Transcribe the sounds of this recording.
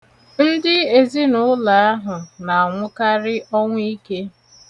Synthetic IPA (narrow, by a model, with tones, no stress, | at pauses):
n̩˦dɪ˦e˨zi˦nʊ˦la˨a˦ɦʊ˨na˨a˨ŋʷʊ˦ka˦ɾɪ˦ʔɔ˦ŋʷ˦i˦ke˦